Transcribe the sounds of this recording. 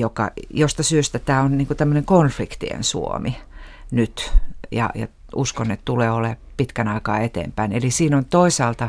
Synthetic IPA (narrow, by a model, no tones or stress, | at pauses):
jokɑ̰jost̪ɑsyøst̪æt̪æːonniːŋkut̪æmːøneŋkonflikt̪ḭḛnsṵo̰minyt̪jɑ̰jɑ̰ | uskonet̪t̪uleːolepit̪kænɑikɑ̰ːet̪ḛːmpæinelisiːnont̪oisɑːlt̪ɑ